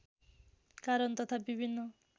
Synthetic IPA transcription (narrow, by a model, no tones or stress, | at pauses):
kaɾɔnt̪ɔt̪ʰabibʱinːɔ